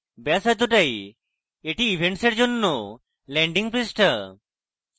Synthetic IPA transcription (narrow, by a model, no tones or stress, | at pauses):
bɛsat̪uʈaj | eʈiːbʱeɳʈseɾd͡ʑonːo | lɛɳɖiŋpɾisʈə